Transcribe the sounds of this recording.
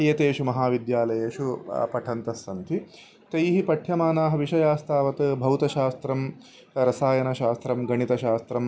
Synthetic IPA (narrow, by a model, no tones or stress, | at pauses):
ɐjɐt̪eːʂumɐɦaːʋid̪jaːlɐjeːʂupɐʈʰɐnt̪ɐsːɐnt̪ʰi | t̪ɐjɦipɐʈʰjɐmaːnaːɦɐʋiʂɐjaːst̪ʰaːʋɐt̪ɐbʱɐwt̪ɐʃaːst̪ɾɐm | ɾɐsaːjɐnɐʃaːst̪ɾɐmɡɐɳit̪ɐʃaːst̪ɾɐm